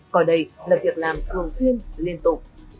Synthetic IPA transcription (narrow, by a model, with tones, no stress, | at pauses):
kɔ˧˩ɗə˧˩jlaː˨˩vi˨˩ək̚laː˨˩mt̪ʰɨ˨˩əŋswi˧ənli˧ənt̪ʊ˨˩k͡p̚